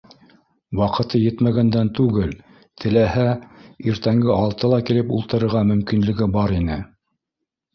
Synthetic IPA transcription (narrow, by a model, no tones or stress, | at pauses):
wɑqɤ̆t̪ɤjɘt̪mæɡænd̪ænt̪ʉɡɘl | t̪ʰɘ̆læhæiɾt̪æŋɡɘɑlˠt̪ɤlˠɑkilɘpulˠt̪ɤ̆ɾɤ̆ɾʁɑmɵ̆mkinlɘ̆ɡɘbɑɾinɘ